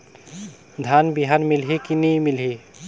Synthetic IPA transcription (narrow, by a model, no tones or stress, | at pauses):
d̪ʱanbiɦanmilɦikinimilɦi